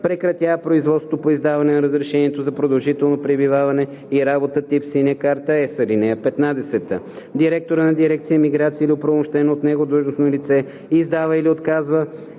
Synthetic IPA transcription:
pɾɛkɾɐt̪ʲjapɾoizvɔt̪st̪vot̪opoizd̪avɐnɛnɐɾəzɾɛʃɛniɛt̪ozɐpɾod̪ɐlˠʒit̪ɛlˠnopɾɛbivavɐnɛ | iɾabot̪ət̪ipsinəkaɾt̪əɛsɐlinɛjəpɛt̪nad̪ɛsɛt̪ə | d̪iɾɛk̚t̪oɾənɐd̪iɾɛk̚t̪sijəmiɡɾat̪siəiliopɾomʊʃt̪ɛnoːt̪nɛɡod̪ɾuʒnosnolit̪sɛ | izd̪avəiliot̪kazvə

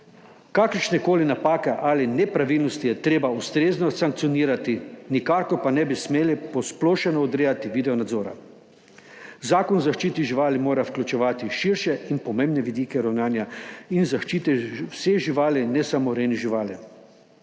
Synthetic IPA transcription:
kakəɾʃnɛkoːlinapaːkɛʔalinɛpɾaʋilnɔst̪ijɛt̪ɾeːbaust̪ɾeːznɔsaŋk̚t̪sijɔniːɾat̪inikaːkɔpanɛbismeːlipɔsploːʃɛnɔːd̪ɾeːjat̪iʋiːd̪ɛɔnad̪zoːɾa̰ | zaːkɔnzaʃt͡ʃiːt̪iʒiʋaːlimoːɾawklʲut͡ʃɛʋaːt̪iʃiɾʃɛinpɔmẽmbnɛʋid̪iːkɛɾawnaːnjainzaʃt͡ʃiːt̪ɛwseʒiʋaːlinɛsamɔɾeːniʒiʋaːli

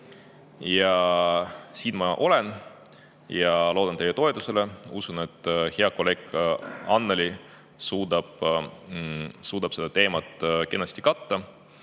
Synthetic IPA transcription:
jɑ | siːnmɑʔo̞le̞n | jɑlo̞ːd̪̥ɑnt̪e̞jet̪o̞et̪use̞le̞usune̞t̪ːˑheɑkːole̞ːkɑnːeli | suːd̪̥ɑb̥ | suːd̪̥ɑb̥se̞d̪̥ɑt̪e̞ːmɑt̪ːˑke̞nːɑst̪ikɑt̪ːɑ

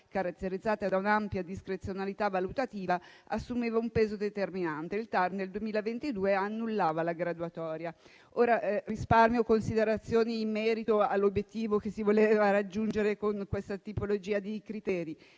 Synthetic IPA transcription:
kaɾat̪ːeɾid̪zːaːt̪ad̪aunampjad̪iskɾet̪sːjonalit̪avalut̪at̪iːva | asːumeːvaumpeːzod̪et̪erminant̪eilt̪ard̪eld̪uwemiːlavent̪id̪uːeanːulːaːvalaɡɾad̪wat̪ɔːɾja | oːɾarisparmjokonsid̪eɾat̪sːjoːniːmːɛːɾit̪oalːobjet̪ːiːvokesivoleːvaɾad͡ʒːund͡ʒeɾekoŋkwest̪at̪ipolod͡ʒiːad̪ikɾit̪ɛːɾi

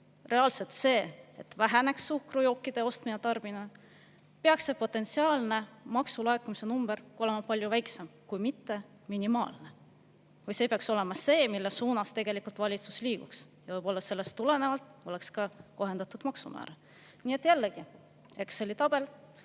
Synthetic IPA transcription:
re̞ɑlselt̪se̞ːet̪væɦæne̞ksːuhkrujo̞ːkːˑid̪̥e̞o̞st̪minet̪ɑrb̥inɑ | peɑksːe̞po̞t̪ːˑe̞nt̪siɑːlne̞mɑksulɑekːumise̞numb̥erko̞le̞mɑpɑlʲjuvæjksemkujmit̪ːe̞ | minimɑ̰ːlne | kujse̞ːpeɑkso̞le̞mɑse̞ːmilːesuːnɑst̪eɡ̥e̞likult̪vɑlʲit̪su̥sliːɡ̥uksjɑvɤjb̥o̞lːɑse̞lːe̞st̪ːule̞ne̞vɑlt̪ˑo̞le̞kskɑko̞ɦe̞nd̪̥ɑt̪ˑud̪mɑksumæ̰ːɾɑ | niːe̞t̪ːˑjælːeɡ̥i | e̞kso̞lʲit̪ɑb̥e̞l

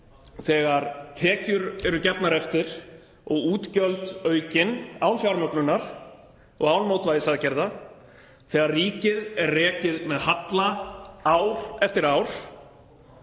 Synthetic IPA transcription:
θɛɣaɾt̪ʰɛːcʏɾɛɾʏcɛpnaɾɛft̪ɪɾ̥ | ɔɣuːt̪cœlt̪œːɥcɪnaːwnfjawɾmœknʏnːaɾ̥ | ɔ̰ɣaːwnmoːwt̪vajɪsaðcɛɾða | θɛːɣaɾriːcɪðɛɾrɛːcɪðmɛðhat̪laawɾ̥ɛft̪ɪɾaːwɾ̥

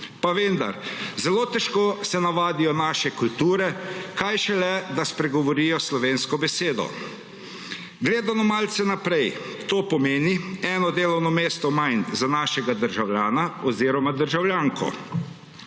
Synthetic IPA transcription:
paʋend̪a̰ɾzɛloːt̪ɛʃkoːsɛnaʋaːd̪ijɔnaːʃɛkult̪uːɾɛkajʃɛlɛd̪aspɾɛɡɔʋɔɾiːjɔslɔʋeːnskɔbɛseːd̪ɔ̰ | ɡleːd̪anɔmalt̪sɛnapɾɛj | t̪oːpɔmeːniɛːnɔd̪eːlɔwnɔmeːst̪ɔmajnzanaːʃɛɡad̪əɾʒawljaːnaɔziːɾɔmad̪əɾʒawljaːŋkɔ̰

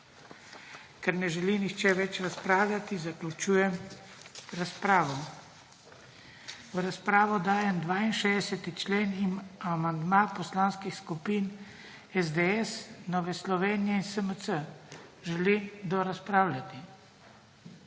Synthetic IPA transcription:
kɛɾnɛʒɛlinixt͡ʃɛʋɛt͡ʃɾaspɾaːwlʲjat̪izaklut͡ʃuːjɛm | ɾaspɾaːʋɔ | uɾaspɾaːʋɔd̪aːjɛmd̪ʋaːinʃed̪ɛsɛt̪it͡ʃleːnimamand̪mapɔslaːnskixskupiːn | ɛzd̪eɛsnɔːʋɛslɔʋeːnijɛinsəməsəʒɛlid̪ɔɾaspɾaːwlʲjat̪i

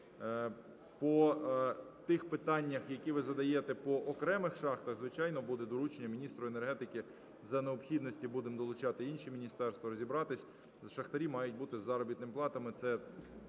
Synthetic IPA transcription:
pɔ | t̪ɪxpɪt̪ɑnʲːɐxjɐkʲiʋɪzɐd̪ɐjet̪ɛpɔʔɔkɾɛmɪxʃɑxt̪ɐɣzʋɪt͡ʃɑjnɔbud̪ɛd̪ɔɾut͡ʃenʲːɐmʲinʲist̪ɾʊene̞rɦɛt̪ɪkɪ | zɐneɔpxʲid̪nɔsʲtʲibud̪ɪmd̪ɔlˠʊt͡ʃɑt̪ɪinʃimʲinʲist̪ɛrst̪ʋɔɾɔzʲibɾɑt̪ɪsʲ | ʃɐxt̪ɐɾʲimɑjʊt̚ʲbut̪ɪzɑɾɔbʲit̪nɪmplˠɑt̪ɐmɪt̪sɛ

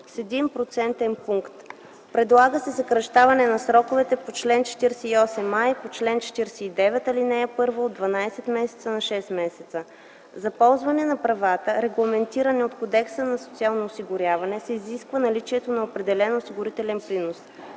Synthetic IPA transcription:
sɛd̪impɾot̪sɛnt̪ɛnpuŋkt̪ | pɾɛd̪lˠaɡəsɛsɐkɾɐʃt̪avɐnɛnɐsɾɔkovɛt̪ɛpot͡ʃlɛnt͡ʃɛ̥t̪iɾsɛiɔsɛmːajpot͡ʃlɛnt͡ʃɛ̥t̪iɾsɛid̪ɛvɛt̪ɐlinɛjəpɤɾvəod̪vɐnajsɛt̪mɛsɛ̥t̪sənɐʃɛst̪mɛsɛt̪sə | zɐpɔlˠzvɐnɛnɐpɾɐvat̪əɾɛɡlˠɐmɛnt̪iɾɐnɛot̪kod̪ɛksənɐso̥t̪sialˠnoːsiɡʊɾʲjavɐnɛsɛiziskvənɐlit͡ʃiɛt̪onɐopɾɛd̪ɛlɛnosiɡʊɾit̪ɛlɛnplinos

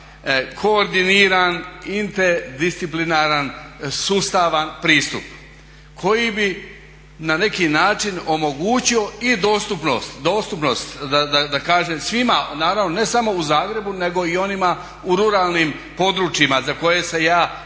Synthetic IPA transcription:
kʰo̞ːɾd̪iniːɾanint̪eɾd̪ist̪siplinaɾansust̪aʋanpɾiːst̪up | kʰo̞jibi | nane̞kinaːt͡ʃino̞mo̞ɡuːt͡ɕio̞id̪o̞ːst̪upno̞̰st̪d̪o̞ːst̪upno̞st̪d̪ad̪ad̪akaːʒemsʋimanaːɾaʋno̞ne̞samo̞uzaːɡɾe̞bune̞ɡo̞io̞nima | uɾuɾaːlˠnim | po̞d̪ɾuːt͡ʃjimazako̞je̞sejaː

